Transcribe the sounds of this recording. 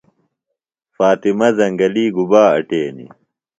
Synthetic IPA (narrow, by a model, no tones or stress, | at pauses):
faːt̪imɐzɐŋɡɐliːɡubaːɐ̰ʈeːnḭ